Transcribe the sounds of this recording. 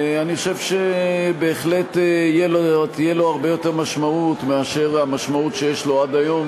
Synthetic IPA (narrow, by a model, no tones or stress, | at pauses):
aniχoʃevʃebe̞ːχle̞t̪ijelot̪ijelo̞aʁbe̞jo̞teʁmaʃmaut̪meaʃe̞ʁamaʃmautʃejeʃlo̞ad̪ajo̞m